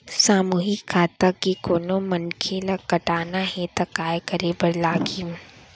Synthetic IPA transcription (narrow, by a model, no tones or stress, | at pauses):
saːmuːɦɪkʰːaːt̪akikoːnomɐnkʰelakɐʈaːnaɦɛt̪ɐkaːjkɐɾebɐɾlaːɡi